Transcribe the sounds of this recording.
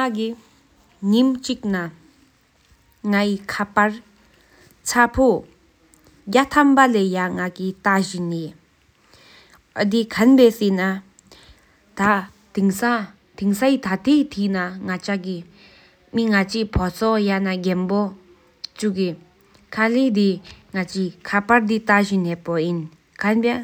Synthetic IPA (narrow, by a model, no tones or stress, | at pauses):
ŋaki | ŋimt͡ɕik̚na | ŋaikʰapaɹ | t͡sʰapʰo | ɡat̪ʰampalejaŋakit̪aʑinːi | əd̪ikʰanpeːsena | t̪a | t̪iŋsa | t̪iŋsait̪ʰat̪ʰet̪ʰinaŋat͡ɕʰaki | miŋat͡ɕipʰɔt͡sʰɔjanaɡenpo | t͡ɕuki | kʰaled̪iŋat͡ɕikʰapard̪it̪aʑinepojin | kʰanpe